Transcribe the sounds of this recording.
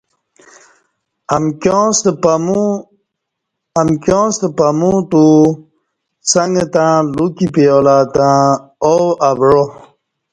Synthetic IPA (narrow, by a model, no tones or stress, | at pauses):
amkosmu | ɐmkjõːst̪pamũt̪u | saŋɡt̪ãːlukipijoːlaːt̪ãowabɻo